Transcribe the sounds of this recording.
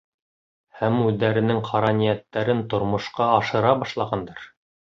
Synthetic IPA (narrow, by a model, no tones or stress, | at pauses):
hæmʉðːæɾɘ̆nɘŋqʰɑɾɑnijæt̪ːæɾɘnt̪ŏɾmŏʃqɑɑʃɤ̆ɾɑbɑʃlˠɑʁɑnd̪ɑɾ